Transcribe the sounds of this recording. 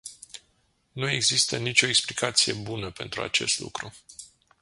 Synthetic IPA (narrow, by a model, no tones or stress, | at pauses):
nue̞ɡzist̪ənit͡ʃʲo̞eksplikʰat̪sijebunəpe̞nt̪ɾua̰t͡ʃe̞̰st̪lṵkɾu